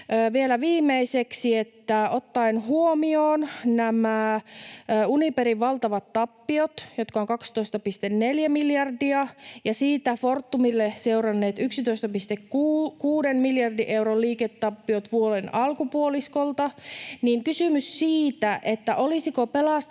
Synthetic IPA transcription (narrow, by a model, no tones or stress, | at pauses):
øːʋielæʋiːmːeiseksiet̪ːæot̪ːɑinɦuomioːnnæmæː | unipeɾiʋʋɑlt̪ɑʋɑt̪ːɑpːiot̪jot̪kɑoŋkɑkst̪oist̪ɑpist̪enneljæmiljɑrdiɑjɑsiːt̪æfort̪ːumilːeseurɑnːeːt̪yksit̪oist̪ɑpist̪ekukuːdenmiljɑrdiʔe̞urolliːket̪ːɑpːiot̪ʋuolenɑlkupuoliskolt̪ɑniŋkysymyssiːt̪æʔet̪ːæʔolisikopelɑs